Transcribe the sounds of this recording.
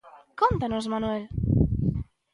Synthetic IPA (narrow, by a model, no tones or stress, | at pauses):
kont̪anosmanwel